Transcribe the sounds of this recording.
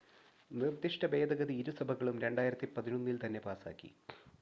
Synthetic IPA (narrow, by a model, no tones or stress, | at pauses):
nird̪iʂʈɐbe̞ːd̪ɐɣɐðiːɾusɐbʱɐɣɐɭumɾe̞ɳɖaːjiɾɐt̪ːipɐðinonːilt̪ɐnːe̞paːsa̰ːkːḭ